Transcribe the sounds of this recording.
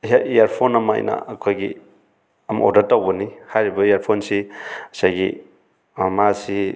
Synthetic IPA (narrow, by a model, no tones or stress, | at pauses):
jaijaɾpʰonɐma̰j̰na̰ːkʰojɡi | ɐm̰o̰datːawbɔnihajɾibɐijaɾpʰonsisajɡḭ | mmasi